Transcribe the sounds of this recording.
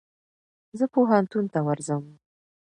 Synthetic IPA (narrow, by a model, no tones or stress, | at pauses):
zəpoɦant̪unt̪awaɾzəm